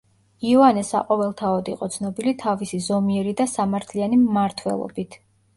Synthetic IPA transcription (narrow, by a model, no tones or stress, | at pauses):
iɔanɛsa̰qʼɔvɛlˠt̪ʰaɔd̪iqʼɔt̪sʰnɔbilit̪ʰavisizɔmiɛɾid̪asamaɾt̪ʰlianimːaɾt̪ʰwɛ̰lˠɔ̰bit̪ʰ